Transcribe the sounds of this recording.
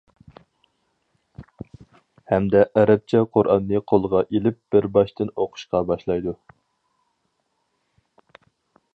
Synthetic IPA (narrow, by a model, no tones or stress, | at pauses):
hɛmd̪ɛʔæɾɛp̚t͡ʃʰɛqʰoɾʔɑnːɨqʰolˠəʁɑʔelɪp̚b̥ɪɾbɑʃt̪ɪnoqʰʊ̥ʃqɑbɑʃlˠɑjd̪u